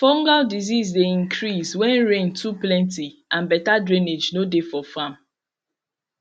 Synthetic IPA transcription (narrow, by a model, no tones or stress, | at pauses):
fɔ̃ŋɡaldiziz̬deĩŋkɾiswɛ̃nɹẽntʰuplɛ̃ntiʔãnbɛtadɹĩned͡ʒnodefɔfãm